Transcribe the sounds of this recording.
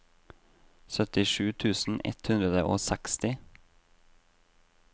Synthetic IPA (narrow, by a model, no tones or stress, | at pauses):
sœt̪ɪʃʉːt̪ʰʉːsn̩ʔɛ̰t̪hʉnd̪ɾəd̪əʔoːsækst̪ɪ